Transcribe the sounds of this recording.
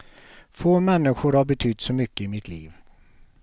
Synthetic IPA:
foːmɛnːɪɧʊɾhaɾbɛt̪ʰʏt̪ːsɔmʏkːəɪmɪt̪ʰliːv

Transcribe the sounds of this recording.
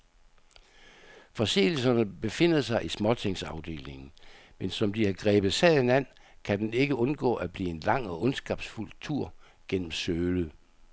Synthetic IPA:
fɒ̽se̝̰ːl̩sɐnəb̥e̝fe̝n̰ð̩ˠsɑ̈ɪʔismɒ̽t͡sʰe̝ŋsɑ̈ʊd̥e̝̰ːle̝ŋn̩ | mensɒ̽md̥ihɑ̈ɡ̥ʁɛːb̥ð̩ˠsɛðˠenæn̰ | kʰæd̥ene̝ɡ̥əɔ̽nɡ̥ɔ̰ːʔæb̥lḭːe̝nlɑ̈ŋ̰ɒ̽ʔɔ̽nsɡ̥ɑb̥sful̰t͡sʰuɐ̰ | ɡ̥en̰m̩søːlə

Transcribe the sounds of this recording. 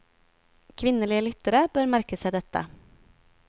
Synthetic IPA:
kʰʋɪnːəliːəlʏt̪əɾəbøːɾmæɾkəsæɪd̪ɛt̪ə̰

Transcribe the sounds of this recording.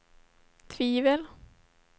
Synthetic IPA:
t̪ʰviːvəl

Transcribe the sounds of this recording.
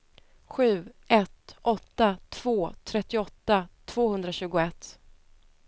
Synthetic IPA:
ɧʉ̟ːʔɛt̪ʔɔt̪ːat̪ʰv̥oːt̪ʰɾɛt̪ːɪɔt̪ːat̪ʰv̥oːhɵnd̪ɾaɕʉ̟ːɡʊɛt̪ː

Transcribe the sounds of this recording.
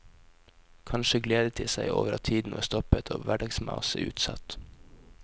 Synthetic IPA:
kʰɑnʃəɡleːd̪ət̪ʰɪsæɪʔo̰ːʋəɾɑ̰t̪ʰiːd̪n̩oːst̪ɔpət̪ʰoːʋæɖɑɡsmɑ̰ʊsəʉ̰ːt̪sɑ̰t̪

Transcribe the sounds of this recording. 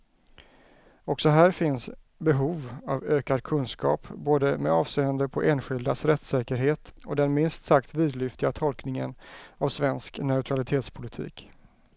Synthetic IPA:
ɔksɔɦæːɾfɪns | bɛɦuːvavøːkad̪kʰɵnskʰɑ̰ːpboːd̪əmɛɑːvseːand̪əpʰɔʔeːnɧɪld̪asɾɛt̪sɛːkəɾɦeːt̪ɔd̪ɛnmɪnst̪sakt̪viːd̪lʏft̪ɪɡat̪ʰɔlknɪŋə̰navsvɛnsknœɵt̪ʰɾalɪt̪ʰeːt̪spʰʊlɪt̪ʰḭːk

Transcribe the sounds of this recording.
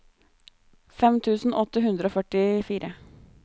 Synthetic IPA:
fɛmt̪ʰʉːsn̩ʔɔt̪ːəɦʉnd̪ɾəoːfœʈɪfiːɾʔə

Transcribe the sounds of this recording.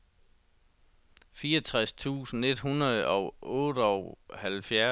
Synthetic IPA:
fiːɒt͡sʰʁast͡sʰṵːsn̩e̝d̥ɦunɐðˠɒ̽ʊʔɔ̽ːɾ̥əɒʊhælfjæ

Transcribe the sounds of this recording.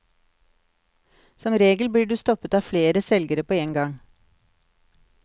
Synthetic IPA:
sɔmɾeːɡəl̩bliːɖʉːst̪ɔpət̪ɑːfleːɾəsɛlɡəɾəpʰoːeːŋɡɑŋ

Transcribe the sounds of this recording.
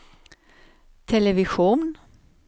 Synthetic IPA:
t̪ʰɛləʋɪɧuːn

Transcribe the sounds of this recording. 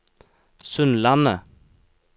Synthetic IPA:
sʉnlɑnə

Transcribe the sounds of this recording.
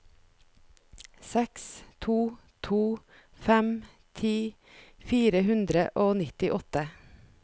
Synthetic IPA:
sɛkst̪ʰuː | t̪ʰuː | fɛm | t̪ʰiː | fiːɾəhʉnd̪ɾəʔoːnɪt̪ɪʔɔt̪ə

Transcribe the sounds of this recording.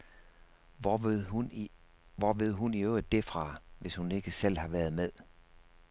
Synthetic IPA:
ʋɒʋe̝ð̞̰ˠɦuniøʊd̥efʁɑ̈ʋe̝shune̝ɡ̥əsel̰hɑ̈ʋæɐð̞ˠmeðˠ

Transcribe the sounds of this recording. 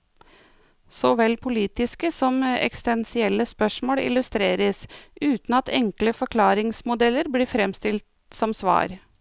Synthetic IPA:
sɔʋɛlpʰʊliːt̪ɪskəsɔmɛ̰kst̪ɛnsɪɛlːəspœʂmoːɽɪ̰lʉst̪ɾeːɾəsʉːt̪n̩ɑt̪ʰɛŋkləfɔkʰlɑːɾɪŋsmʊd̪ɛlːəɾbliːfɾɛmst̪ɪlt̪ | sɔmsʋɑ̰ːɾ

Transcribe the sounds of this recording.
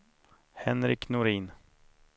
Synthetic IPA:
hɛnɾɪknʊɾiːn

